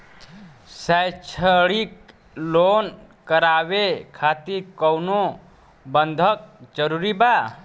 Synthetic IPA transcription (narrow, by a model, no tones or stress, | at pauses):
səjt͡ʃʰəɽik | loːn | kəɾaːwekʰaːt̪ikəwno | bənd̪ʱək̚d͡ʒəɾuɾiba